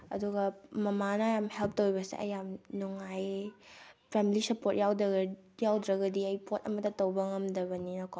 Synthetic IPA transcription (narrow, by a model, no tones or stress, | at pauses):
ɐ̰duɡɐmɐmanɐjamhelp̚ʰtowjbɐsḛʔɐ̰jamnuŋaj | pʰemilisɐpot̚jawdɐɡ | jawdɾɐɡɐdiɐjpʰotɐmɐtɐtɐwbɐŋɐmdɐβɐninɐko